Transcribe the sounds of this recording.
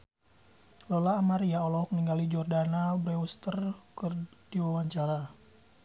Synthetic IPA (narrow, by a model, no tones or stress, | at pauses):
lɔlaːmaɾiaɔlɔɔk̚niŋɡalid͡ʒɔrdanabɾɛust̪ərkərdiwawaɲt͡ʃaɾa